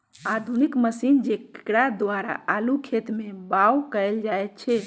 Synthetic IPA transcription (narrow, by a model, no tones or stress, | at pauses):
ad̪ʱunikməsind͡ʒekɽad̪ʋaɾa̰ːlukʰet̪mebawkəeld͡ʒajt̪̚t͡ʃʰɛ